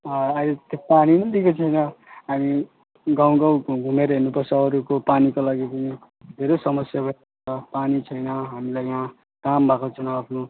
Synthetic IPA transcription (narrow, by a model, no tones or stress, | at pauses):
ʌajlet̪opaninʌnd̪ikot͡sʰʌjnʌɦami | ɡaw̃ɡʌwɡʱumeɾʌɦenupʌrsʌʌɾukopanikolaɡipʌni | d̪ʱeɾosʌmʌsjabʌ | t͡sʌpanit͡sʰʌjnʌɦamilajã | kambʱakot͡sʰʌnaapʰno